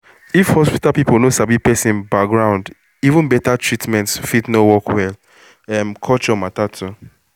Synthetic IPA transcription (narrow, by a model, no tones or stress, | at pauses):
ifhɔspi̥talpiponosabipɛsĩnbak̚ɡɹãʊ̃nd | ivũnbɛtatʰɹitmɛ̃ntsfitnowɔkʰwɛl | ɛmkʰɔt͡ʃɔmatatʰu